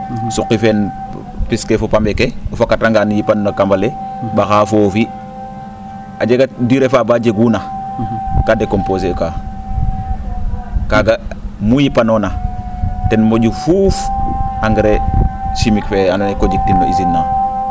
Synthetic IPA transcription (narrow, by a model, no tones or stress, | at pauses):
suqːifen | piskefopambekeofakataŋɡanjipannakambalebaxaːfofi | ad͡ʒeɡadiɾefabad͡ʒeɡuna | kadekomposeka | kaɡamujipanona | tenmoɟufufaŋɡɾeʃimikfeanonekod͡ʒik̚tinːoizinːa